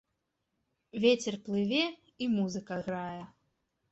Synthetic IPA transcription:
vʲet͡sʲɛrplˠɨvʲɛ | imuzɨkɐɣɾajɛ

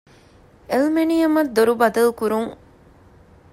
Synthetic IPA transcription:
elmenijɐmɐd̪ːoɾubɐd̪ɐlkuɾuŋ

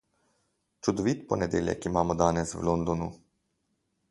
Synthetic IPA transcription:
t͡ʃud̪ɔʋit̪pɔnɛd̪ʲeːljɛ̰kimaːmɔd̪aːnɛswlond̪ɔnu

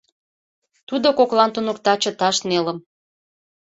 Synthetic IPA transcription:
t̪ud̪okoklɑnt̪unokt̪ɑt͡ɕə̆t̪ɑʃnelə̆m

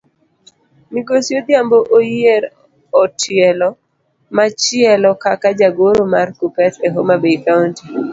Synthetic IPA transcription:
miɡosjod̪jamboʔojeɾ | ɔtʰɪɛlɔ | mat͡ʃɪɛlɔkakad͡ʒaɡoɾomarkupɛteɦomabeikaunti

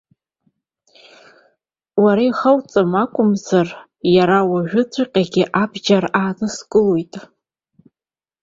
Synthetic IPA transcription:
waɾaiχawt͡sʼamakʷʼʊmzar | jaɾawaʒᶣʊt͡sʷʰaqʲʼaɡʲɪʔabd͡ʒaraːnɨsɡʼɨlojtʼ

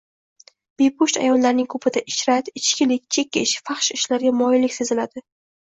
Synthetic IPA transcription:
b̥epʰʊʃt̪a̰jɒnlaɾnɪŋkʰɵpʰɪd̪aʔɪʃɾat̪ɪt͡ʃkʲɪlɪkʲt͡ʃʰe̞kʲʰːɪʃfɑχʃɪʃlaɾɡʲamɒjɪlɪk̚ʲse̞zɪlad̪ɪ

